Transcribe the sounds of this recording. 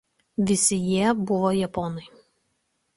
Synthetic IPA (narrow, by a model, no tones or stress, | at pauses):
ʋʲɪsʲɪjiɛbʊʋojɛpɔnɐɪ